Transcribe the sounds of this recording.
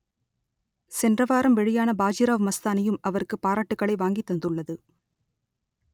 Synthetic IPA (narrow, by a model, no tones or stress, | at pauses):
sɛndrɐʋaːɾɐmʋɛɻɪjaːnɐbaːd͡ʒiɾaːʋmɐst̪aːnɐjɯmɐʋɐrkːɯpːaːɾaːʈːɯkːɐɭɐɪʋaːŋɡit̪ːɐnd̪ɯɭːɐðɯ